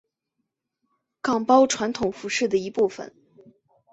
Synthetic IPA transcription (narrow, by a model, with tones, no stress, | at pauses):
kɑ˨˩ŋpɑ˥ʊʈ͡ʂʰwa˧˥nt̪ʰʊ˨˩ŋfu˧˥ʂɻ̩˥˩d̪ə˩i˧˥pu˥˩fə̰˨˩n